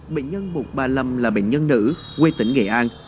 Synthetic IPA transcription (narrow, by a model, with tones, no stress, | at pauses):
ɓḛ˧˨nɲə˧nɓu˨˩t̚ɓaː˨˩lə˨˩mlaː˨˩ɓḛ˧˨nɲə˧nːɨ̰˧˥ | ɣwe˧t̪ï˨˦ŋ̟ŋḛ˧˨˩ʔaː˧n